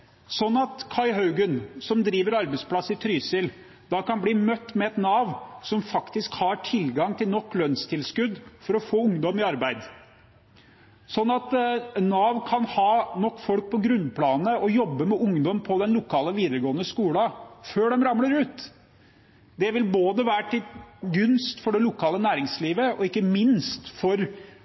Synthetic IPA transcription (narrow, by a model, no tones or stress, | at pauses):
sɔnːɑt̪kʰɑɪɦɑʉɡənsɔmd̪ɾiːʋəɾɑɾbæɪt̪spʰlɑsːɪt̪ʰɾyːsɪl | d̪ɑkɑnbliːmœt̪ːmɛɛt̪nɑːʋsɔmfɑkt̪ɪskhɑʈʰɪlɡɑŋt̪ʰɪlnɔkːlœnst̪ʰɪlskʉd̪fɔɾɔfoːʊŋd̪ɔmɪɑɾbæɪd̪ | sɔnːɑt̪nːɑːʋkʰɑnhɑːnɔkːfɔlk̚pʰɔɡɾʉnpʰlɑːnəɔjɔbːəmɛʔʊŋd̪ɔmpʰɔd̪ɛnlʊkʰɑːləʋiːd̪əɾəɡoːənəskuːlɑføːɖɛmɾɑmləɾʉːt̪ | d̪ɛʋɪlboːd̪əʋæːɾəʈʰɪlɡʉnst̪fɔɖɛlʊkʰɑːlənæːɾɪŋsliːʋəʔɔ̰ɪkːəmɪnst̪fɔɾ